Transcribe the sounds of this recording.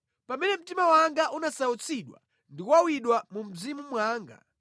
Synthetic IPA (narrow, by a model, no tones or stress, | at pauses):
pamɛnɛm̩timawaŋɡaʔunasaut͡sʰiɗwa̰ | ndiwawiɗwamum̩zimumwaːŋɡa̰